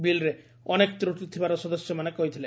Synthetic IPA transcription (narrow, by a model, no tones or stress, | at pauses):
bilɾe | ɔnekt̪ɾoʈit̪ʰibaɾosɔd̪oʃjomanekːoɦit̪ʰile